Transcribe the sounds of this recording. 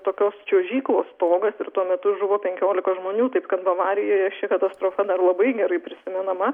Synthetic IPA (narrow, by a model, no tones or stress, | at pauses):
t̪oːkʲoːst͡ʃʲoːʒʲiːklˠoːst̪oːɡɐsɪɾt̪uɔmʲɛt̪ʊʒʊʋoːpʲɛŋʲkʲoːlʲɪkɐʒmoːnʲuːt̪ɐɪpkɐt̪bɐʋɑːɾʲɪjoːjɛt͡ʃʲɛkɐt̪ɐst̪ɾoːfɐd̪ɐrlˠɐbɐɪɡʲɛɾɐɪpʲɾʲɪsʲɪmʲɛnɐmɐ